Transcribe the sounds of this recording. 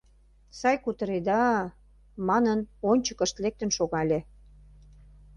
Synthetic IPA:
sɑjkut̪ə̆ɾed̪ɑ | mɑnənonʲt͡ɕə̥kə̆ʃt̪lek̚t̪ənʃoɣɑlʲe

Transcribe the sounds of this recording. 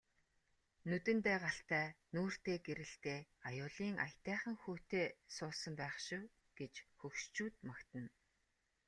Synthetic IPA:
nut̪ɘ̆nt̪æːʁaɬt̪æːnuːr̥t̪eːɡeɾɘ̆ɬt̪eːajʊːɮiːŋʔa̰jt̪æːχə̆ŋxoːt̪eːsʊːsə̆mpæːχʃɪ̆w | ɡ̥et͡ɕxɵwʃt͡ɕuːt̪makt̪ə̆n

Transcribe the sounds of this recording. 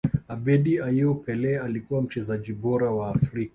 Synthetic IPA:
abɛɗiaiɔpɛlɛalikuwam̩t͡ʃɛzaʄiɓɔɾawaːfɾika

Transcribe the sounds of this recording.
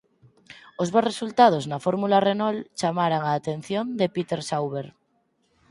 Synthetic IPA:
ozβaresult̪að̞oznafoɾmularenolt͡ʃamaɾaŋaːt̪ẽ̞nθjond̪epit̪eɾsawβeɾ

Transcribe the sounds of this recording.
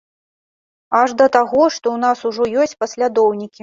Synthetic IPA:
aʐd̪ɐt̪aɣɔʂt̪ɔwnasuʐɔjɔsʲt͡sʲpɐsʲlʲad̪ɔwnʲikʲi

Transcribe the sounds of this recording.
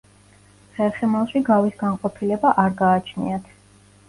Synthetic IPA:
χɛlˠχɛmalˠʃiɡavisɡanqʼɔpʰilɛbaʔaɾɡaːt͡ʃʰnḭat̪ʰ

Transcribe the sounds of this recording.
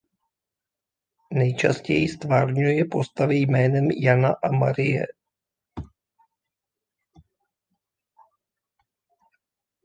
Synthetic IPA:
nɛjt͡ʃa̰scɛjɪst̪vaːrɲujɛpo̞st̪avɪjmɛːnɛmjanaʔamaɾɪjɛ̰

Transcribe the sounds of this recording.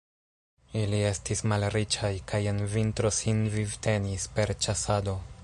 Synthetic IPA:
ilie̞stismalɾit͡ʃajkaje̞nvintɾo̞sinvivte̞nispe̞ɾt͡ʃasado̞

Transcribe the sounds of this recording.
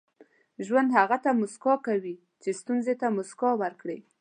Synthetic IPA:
ʒwand̪haɣat̪amʊskɑkawi | t͡ʃest̪unzet̪amʊskɑwaɾkɽe

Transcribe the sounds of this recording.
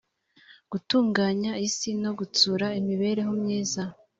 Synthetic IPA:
ɡ̥utuːŋɡaːɲaisino̞ɡut͡suːɾaimiβe̞ɾe̞ɦomɲiːza

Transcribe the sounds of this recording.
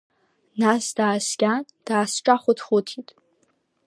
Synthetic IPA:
nasdaːsɡʲan | d̥aːsʈ͡ʂʼaχʷʊtʰχʷʊtʰitʼ

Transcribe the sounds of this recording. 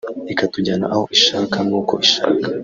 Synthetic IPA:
ikatuɟana̰ʔaho̞ʔiʃakamuːko̞̰ʔiʃa̰ːkḁ

